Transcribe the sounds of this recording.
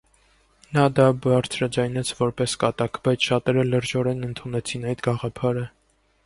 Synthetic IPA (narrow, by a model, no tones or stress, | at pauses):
nɑd̪ɑbɑɾt͡sʰɾɑd͡zɑjnɛt͡sʰvɔɾpɛskɑt̪ɑkʰbɑjt͡sʰʃɑt̪ɛɾələɾd͡ʒɔɾɛnənt̪ʰunɛt͡sʰinɑjd̪ɡɑʁɑpʰɑɾə